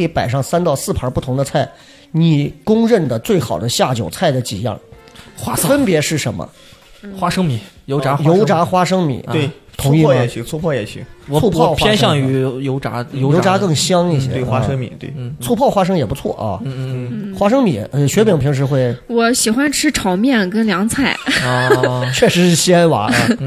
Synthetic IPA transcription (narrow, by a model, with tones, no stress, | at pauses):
i˧˥pa˨˩ɪʂɑ˥˧ŋsa˥nt̪ɑ˥˧ʊsɹ̩˥˩pʰə˧˥pu˥˩t̪ʰʊ˧˥ŋd̪ə˧t͡sʰa˥˩ɪ | ni˨˩kʊ˥ŋɻə˥˩nd̪ə˩t͡swe˥˩ɪxɑ˨˩ʊd̪ə˦ɕja˥˩t͡ɕjo˨˩ʊt͡sʰa˥˩ɪd̪ə˩t͡ɕḭ˨˩jɑ̰˥˩ŋ | wa˥fə˥npjɛ˧˥ʂɻ̩˥˩ʂə̰˧˥nmə̰˧ | xwa˥ʂɤ˥ŋmi˨˩˦jo˧˥ʊʈ͡ʂa˧˥jo˧˥ʊʈ͡ʂa˧˥xwa˥ʂɤ˥ŋmḭ˨˩˦wt̪ʰʊ˧˥ŋi˥˩˥ɛ˧˨˧t͡sʰu˥˧pʰɔ˥˩jɛ˨˩t͡ɕʰy̰˧˥˩u˥˧˩ʊpʰwaɛ˥nɕjɑ˥˩ŋy˧˥jo˧˥ʊʈ͡ʂa̰˧˥jo˧˥ʊo˧˥ʊʈ͡ʂa˧˥kɤ˥˩ŋɕjɑ˥ŋi˥˩ɕjɛ˥˧˩wa˥ʂɤ˥ŋmḭ˨˩˦t̪wḛ˥˩ɪ˥t͡sʰu˥˧pʰɑ˥˩ʊxwa˥ʂ̬ɤ˥ŋjɛ˨˩pu˧˥t͡sʰwɔ̰˥˩ʔɐ̰˩˧˥xwa˥ʂɤ˥ŋmḭ˨˩˦ɕɥɛ˧˥pi˨˩ŋpʰi˧˥ŋʂ̬ɻ̩˧˥xwe˥˩ɪwɔ˧˥ɕi˨˩xwa˥nʈ͡ʂʰɻ̩˥ʈ͡ʂʰɑ˨˧˥ʊmjɛ˥˩nkə˥nljɑ˧˥ŋt͡sʰa˥˩ɪ | t͡ɕʰɥɛ˥˩ʂɻ̩˧˥ʂɻ̩˥˩ɕi˥a˥nwa̰˧˥˧